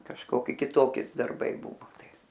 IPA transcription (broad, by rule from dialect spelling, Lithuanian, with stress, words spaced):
kɐʃˈkoːkʲɪ kʲɪˈtoːkʲɪ dɐrˈbɐɪ ˈbʊʋoː ˈtɐɪ